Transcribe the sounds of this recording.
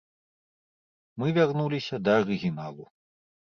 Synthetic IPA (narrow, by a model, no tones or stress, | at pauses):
mɨvʲarnulʲisʲɐd̪ɐːɾɨɣʲinalˠu